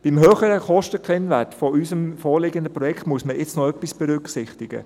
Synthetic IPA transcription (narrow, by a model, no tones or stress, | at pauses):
b̥ɪmɦøːχəɾəkɔʃtəkʰʁɛnʋætfoʔysəmfoːɾlɪɡənd̪əpɾɔjɛkχtmuəsməʔɪt͡snɔœpːisb̥ɛɾʏksɪχtɪɡ̥ə̰